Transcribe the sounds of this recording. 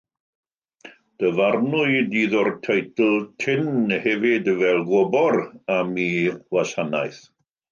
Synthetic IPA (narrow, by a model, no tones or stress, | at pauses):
d̥əvarnʊɨdiːðɔrtʰejtl̩ˠtʰɪnhɛvɪdvɛlˠɡɔbɔramiwasanajθ